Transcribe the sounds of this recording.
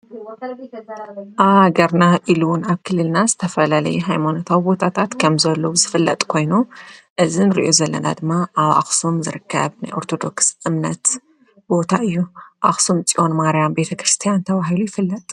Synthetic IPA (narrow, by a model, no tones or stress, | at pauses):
ʔaɡɐɾnaʔiluwʊnaβkʰɨlːɨlnazɨt̪ʰɐfɐlalɐ̰juɦajmanot̪ʰawibo̞t̪ʰat̪ʰat̪kʰɐmzɐlːowuzɨfɨlːɐ̰t̪ʼkʰo̞jnu | ʔɨzinɨɾḭʔo̞zɐlːɐ̰na̰d̪ɨmːaaβa̰xsumzɨɾɨkʰːɐ̰βna̰jʔo̞ɾt̪ʰo̞d̪o̞ksʔɨmnɐt̪ | bo̞t̪ʰaʔɨjːuʔa̰xsumt͡sʼiʔo̞nmaɾjambe̞t̪ʰɐkɾɨst̪ʰijant̪ʰɐβaɦilujɪfɨlːɐt̪ʼ